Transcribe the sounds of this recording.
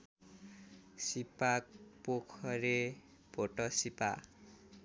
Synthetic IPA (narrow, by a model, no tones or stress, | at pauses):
sipak̚pokʰʌɾe | bʱoʈʌsipa̰